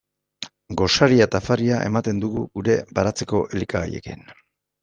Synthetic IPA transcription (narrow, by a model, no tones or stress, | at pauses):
ɡo̞saɾiat̪afariaʔe̞̰mat̪e̞nd̪uɣuɣuɾe̞baɾat͡se̞ko̞ʔelikaɣa̰je̞̰kḭn